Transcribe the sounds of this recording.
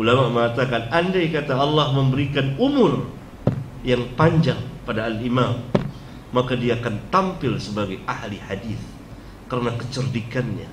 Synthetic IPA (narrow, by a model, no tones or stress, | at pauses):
ulamaməŋat̪akanandajkat̪aɑlːɑhməmbəɾikanumʊr | jaŋpaɲd͡ʒaŋpadaːlimamː | akadiaːkant̪ampɪlsəbaɡajʔahliħadiθ | kəɾənakə̥t͡ʃərdikanɲa